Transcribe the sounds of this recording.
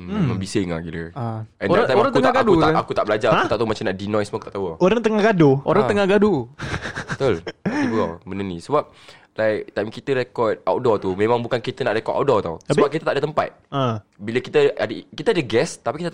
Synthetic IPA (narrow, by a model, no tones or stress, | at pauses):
məmbisɪŋa̰ɡiləaɛnat̪ajmaɾaŋkəutŋaɡaduaʔakut̪aʔbəlad͡ʒaaut̪aʔt̪aumat͡ʃamnaʔdinɔ̃jsmakut̪aʔt̪awaoɾaŋt̪əŋahɡaduoɾaŋt̪əŋahɡadu | bt̪olibɔ̰mənənisəbap̚ | lajkt̪ajmkit̪əɾekɔt̪̚awdɔt̪umẽmãŋbukankit̪ənaʔɾekɔʔ̪a̰wdɔt̪a̰wsəbbap̚kit̪ət̪aʔdət̪əmpa̰t̪̚əbiləkit̪aʔadəkit̪aadəɡɛst̪apikit̪a